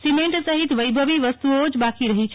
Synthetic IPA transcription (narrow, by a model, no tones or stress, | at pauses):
simeɳʈsəɦit̪ʋəjbʱəʋiʋəst̪uod͡ʒbakiɾəɦit͡ʃʰ